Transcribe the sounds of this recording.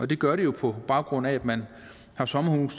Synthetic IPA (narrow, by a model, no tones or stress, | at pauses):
ʔɒd̥e̝ɡ̥ɶɐɾe̝jo̝pʰɒ̽b̥ɑ̈ʊɡ̥ʁɔ̽n̰ææd̥mæn | hɑ̈sɒ̽məhuːs